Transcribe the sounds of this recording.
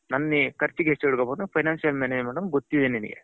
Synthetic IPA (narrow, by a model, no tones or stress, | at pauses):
nɐnːikʰɐɾt͡ʃːikesiɽukobɐːnupʰɐjnaːnsijɐlmaːned͡ʒmaːɽɐmɡot̪ːid̪eninḭɡḛ